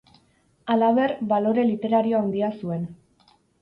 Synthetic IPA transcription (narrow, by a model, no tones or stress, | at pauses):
alaβe̞rbalo̞ɾe̞lit̪e̞ɾaɾioand̪iasue̞n